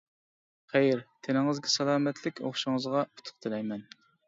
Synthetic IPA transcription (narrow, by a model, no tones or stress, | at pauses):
χæjɾt̪ʰenɪŋɨzɡʲɛsɛlˠɑːmɛt̪ʰlɪkʲo̰χʃɨŋəzʁɑu̥t̪ʰʊ̥qt̪ʰɨlɛjmɛn